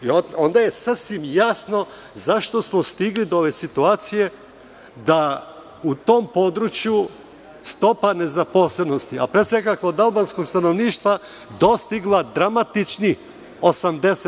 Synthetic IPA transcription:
ioo̞nd̪aje̞sasʋimjasno̞ | zaʃt̪o̞smo̞st̪iɡlid̪ooʋesit̪uaːt̪sije̞ | d̪a | ut̪o̞mpo̞d̪ɾut͡ʃju | st̪o̞pane̞zapo̞sleno̞st̪ia̰pɾesʋe̞kakoːd̪alˠbansko̞ɡst̪ano̞ʋniːʃt̪ʋa | d̪o̞st̪iɡlˠad̪ɾamat̪it͡ʃni | o̞samd̪ese

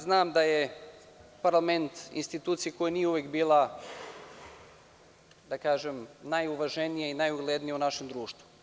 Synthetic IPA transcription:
znaːmd̪aje | paɾlˠame̞nt̪ḭnst̪it̪uːt̪sijeko̞jenijeuʋjekbiːlˠa | d̪akaːʒemnajuʋaʒenijeinajuɡlˠed̪nijeunaʃemd̪ɾuːʃt̪ʋu

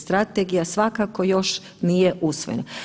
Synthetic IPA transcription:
st̪ɾat̪eɡijasʋakakojo̞ʃ | nijeʔusʋojena

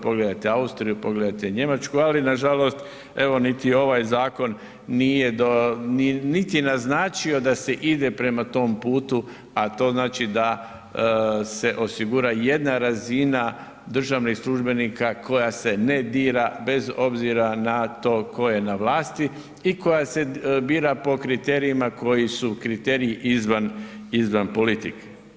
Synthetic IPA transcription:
po̞ɡled̪at̪eaust̪ɾijupo̞ɡle̞d̪at̪eɲe̞mat͡ʃkualinaʒalo̞st̪ | e̞ʋo̞nit̪io̞ʋajzaːko̞nː | ije̞d̪oinit̪inaznaːt͡ʃio̞d̪ase̞ʔid̪e̞pɾe̞mat̪o̞ːmpuːt̪u | at̪o̞ːznaːt͡ʃid̪a | se̞ʔo̞siɡuɾaje̞d̪naɾazina | d̪r̩ʒaʋnixslˠuʒbe̞nikako̞jase̞ne̞d̪iːɾabe̞zo̞bziɾanat̪oːko̞je̞naʋlaːst̪i | iko̞jase̞biːɾapo̞kɾit̪e̞ːɾiimako̞jisukɾit̪e̞ːɾijiʔizʋan | izʋanpo̞lit̪ik

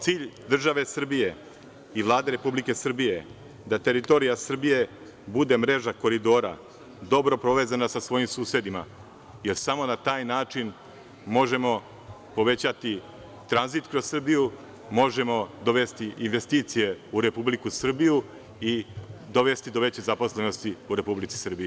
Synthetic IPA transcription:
t̪siːʎd̪r̩ʒaʋe̞sr̩bije̞ | iʋlˠaːd̪e̞ɾe̞publike̞sr̩bije̞ | d̪at̪e̞ɾit̪o̞ːɾijasr̩bije̞ | bud̪e̞mɾe̞ʒako̞ɾid̪o̞ːɾa̰ | d̪o̞bɾo̞pɾo̞ʋeːzanasasʋo̞ːjimsuːse̞d̪ima̰ | jeɾsamo̞nat̪aːjnaːt͡ʂin | mo̞ʒe̞mo̞ | po̞ʋe̞t͡ɕat̪i | t̪ɾanzit̪kɾo̞zsr̩biju | mo̞ʒe̞mo̞d̪o̞ʋe̞st̪iʔinʋe̞st̪iːt̪sije̞uɾe̞publikusr̩biju | id̪o̞ʋe̞st̪id̪o̞ʋe̞t͡ɕezapo̞sle̞no̞st̪iuɾe̞publit̪si̥sr̩biju

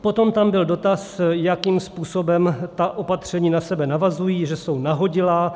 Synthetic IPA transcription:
pot̪o̞mt̪ambɪldo̞t̪asjakiːmspuːso̞bɛmt̪aʔo̞pat̪r̝̥ɛɲiːnasɛbɛnavazujiːʒɛsownaɦo̞ɟɪlaː

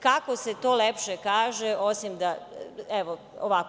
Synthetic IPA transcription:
kako̞set̪o̞ːlepʃekaːʒeʔosimd̪aɛʋo | oʋak

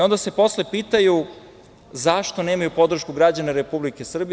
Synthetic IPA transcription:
o̞nd̪ase̞po̞sle̞piːt̪aju | zaʃt̪o̞neːmajupo̞d̪r̩ʃkuɡɾad͡ʑaneɾepublikesr̩bi

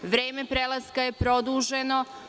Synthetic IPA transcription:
ʋɾeːmepɾelˠaskajepɾo̞d̪uːʒeno̞

